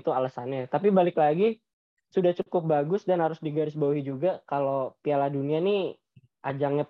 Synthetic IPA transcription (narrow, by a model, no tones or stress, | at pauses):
t̪ualasanat̪apibalɪklaɡi | sudaht͡ʃukʊp̚baɡʊsdanhaɾʊsdiɡaɾɪsbauɦid͡ʒuɡakalopialadunianɪ | ʔad͡ʒaŋɲa